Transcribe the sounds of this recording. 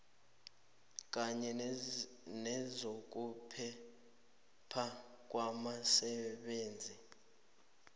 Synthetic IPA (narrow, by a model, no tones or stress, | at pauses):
k̬ʼaɲɛ | nɛzok̬ʼupʰɛ | pʰa | k̬ʼwamasɛɓeːnd͡zʱi